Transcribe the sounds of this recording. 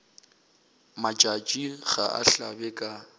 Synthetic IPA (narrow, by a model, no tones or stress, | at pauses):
mad͡ʒʼad͡ʒʼiɣa̰ʔa̰ɬabɛkʼa